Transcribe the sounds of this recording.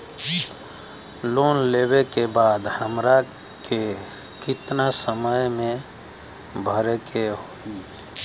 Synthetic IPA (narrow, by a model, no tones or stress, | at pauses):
loːnleːwekebaːd̪həmɾakekɪt̪nasəməjmẽ | bʱəɾekeɦoːɡi